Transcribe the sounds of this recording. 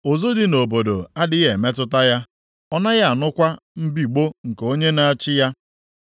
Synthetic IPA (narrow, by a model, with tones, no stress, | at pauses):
o˨zo˦dɪ˨no˨bo˨do̰˨a˦dɪ˦ɣe˨me˦tʊ˦ta˦ja˦ | ɔ˦na˦ɣa˦˨a˨nʊ˦kʷa˦m̩˦bi˨ɡ͡bo˦ŋ̩˨ko˦ɲe˦na˦a˦t͡ʃɪ˦ja˦